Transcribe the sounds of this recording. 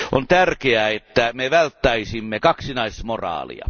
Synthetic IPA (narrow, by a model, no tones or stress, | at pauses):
ʔont̪ærkeæet̪ːæmeʋælt̪ːæisimːekɑksinɑismorɑ̰ːlḭɑ̰